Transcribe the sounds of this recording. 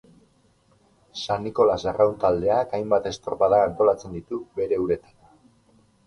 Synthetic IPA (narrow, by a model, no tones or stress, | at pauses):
sanːiko̞laserawnt̪ald̪e̞akajmbat̪e̞st̪oɾpaðaːnt̪o̞lat͡se̞nd̪it̪ube̞ɾe̞uɾe̞t̪ḁn